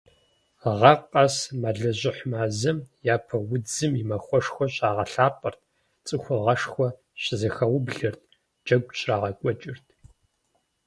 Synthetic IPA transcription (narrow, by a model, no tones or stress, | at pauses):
ʁɐqʼɐsmɐɮɐʑʷɪħmaːzɐmjaːpʰɐwʊd͡zɨmimɐxʷɔʂxʷɔɕʼaːʁɐɬaːpʼɨrt̚ʰ | t͡sʼɨxʷʊʁɐʂxʷɔ | ɕɪzɐxɐwʊbɮɨrt̚ʰ | d͡ʒɐɡʷɕʼraːʁɐkʷʼɔt͡ʃʼɪrtʰ